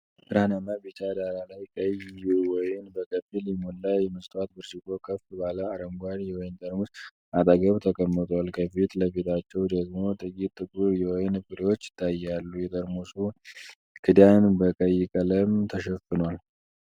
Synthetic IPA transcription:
bɨɾhanamabit͡ʃad̪aɾalajkʼəjuwɔjɪnbəkʼəfilimonlajːɛməst̪ʼwat̪bɨɾd͡ʒɪkʼo̞kʰəfbaləaɾəŋɡʷaɾwɔjɪnt̪ʼəɾmus | at̪ʼəɡəβt̪ʰəkʼəmːɨt̪ʼwalkʰəfit̪ləfet̪ʰat͡ʃːɛwd̪əɡmo̞t̪ʼɨkʼit̪ʼːɨkʼuɾjɛwɔjnbɨɾiwot͡ʃːɪ̥t̪ʰːajalːujɛt̪ʼəɾmusu | kʰɨd̪janbəkʼəjːɪkʼələmt̪ʰəʃɛfɨnwal

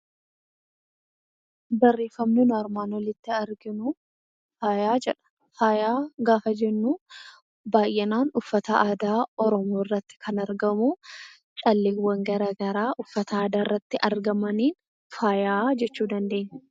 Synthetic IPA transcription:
bɐrːeːfɐmnɪnʊɐɾmaːnwɔlɪt̪ːɪɐɾɡɪnʊ | faːjaːd͡ʒɛᶑɐ̥ | faːjaːɡaːfɐd͡ʒɛnːuː | baːjʔɛnaːnʊfːɐt̪ɐaːd̪aːɔɾɔmoːrːɐt̪ːɪ̥kʰɐnɐɾɡɐmu | t͡ʃʼɐlːeːwːɐŋɡɐɾɐːɡɐɾaːʔʊfːɐt̪ɐaːd̪aːrːɐt̪ːɪʔɐɾɡɐmɐniːn | faːjaːd͡ʒɛt͡ʃːuːd̪ɐnd̪e̞ːɲːɛ

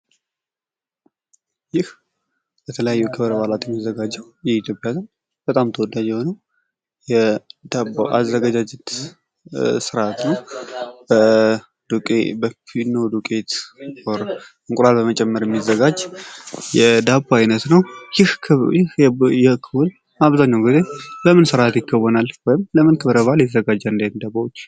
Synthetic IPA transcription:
jɪh | bət̪ʰələjajːujɛkʰəβəɾəbalat̪jɛmːizːəɡad͡ʒɛw | jɛit̪jo̞pʼjazɨn | bət̪ʼamt̪ʰəwɔd̪ad͡ʒɛhonəw | jɛd̪aboʔa̰zːəɡad͡ʒad͡ʒɛt̪ | sɨɾat̪nəwbə | d̪ubəfid̪nəwd̪ukʼet̪ʼoɾ | ɨŋkʼɾalbəmət͡ʃʼɛmːəɾjɛmːizːəɡad͡ʒːjɛd̪abaajnət̪nəwjhʰjɪhjɛkʰɨwul | aβzaɲːawɡize̞bəmɨnsɨɾʔat̪jɪkʰːəwːɔnalwɔjɪmləmɨnkʰɨβɾəβaljɛt̪ʰəzəɡad͡ʒːəɨnd̪end̪abawot͡ʃː

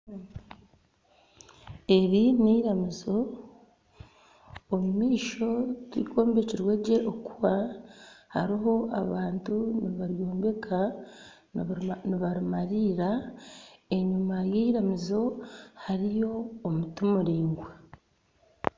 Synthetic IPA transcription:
e̞ɾineiɾamizo̞ | mumiːʃo̞twḭkʰo̞ːmbe̞ciɾweɟe̞ʔokuβa | ha̰ɾiɦo̞ʔaβaːntuniβaɾjoːmbe̞kʰa | niβaɾumaɾiːɾa | e̞ɲumajeiɾamizo̞haɾijo̞ːmutumuɾiːŋɡwa

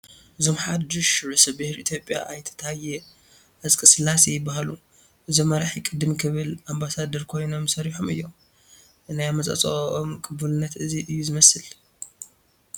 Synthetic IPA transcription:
ʔɨzo̞mħad̪ɨʃɾɨsɐbɨhɾiʔit̪ʰjo̞pʼːja̰ʔajt̪ʰɐ̥t̪ʰaajɛ | ʔɐzkʼɨsɨlasijɪbːahalu | ʔɨzomɐɾaħikʼɨd̪ːɨmkʰɨβɨlʔambasad̪ɐɾkʰo̞jno̞msɐɾiħomɨjːo̞m | najamɐsʼɐ̰t͡sʼoʔomkʼʰɨbulɨnːɐt̪ɨziʔɨjːuzɨmɐsɨl

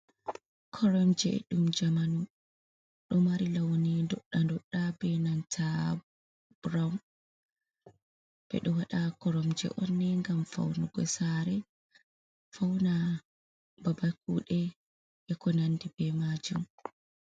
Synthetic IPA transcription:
kʰɔɾɔmd͡ʒɛ̰ɗumd͡ʒamanu | ɗɔmaɾilawnɛdɔɗːandɔɗːabɛnantʰa | b̥ɾawm | b̥ɛ̰ɗɔwaɗakɔɾɔmd͡ʒɛ̰ʔɔnːɛŋɡamfa̰wnuɡɔ̰saɾɛ | fawna | babak̚uːɗɛ | ʔɛkɔnandibɛmad͡ʒum

